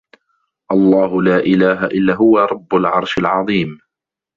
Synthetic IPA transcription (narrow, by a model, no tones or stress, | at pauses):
ʔɑlˤːɑːɦʊlaːʔɪlaːɦaʔɪlːaːɦʊwaɾˤɑbːʊlʕɑɾˤʃalʕɑðˤiːm